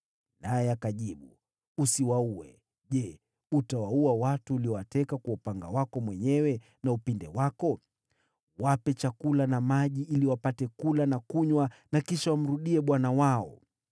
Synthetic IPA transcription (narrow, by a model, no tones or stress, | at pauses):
najɛakaʄiɓu | usiwauɛ̰ | ʄɛ | utawauawatuːliɔwatɛkakwaupaŋɡa̰wakɔmwɛɲɛwɛ | naupindɛwakɔ | wapɛt͡ʃakulanamaʄiʔiliwapatɛkulanakuɲwanakiʃawam̩ɾuɗiɛɓwanawaɔ̰